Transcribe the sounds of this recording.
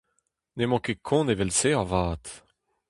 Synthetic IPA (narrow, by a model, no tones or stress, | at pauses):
nemɑ̃kekʰɔ̃nevɛlseavaːt̪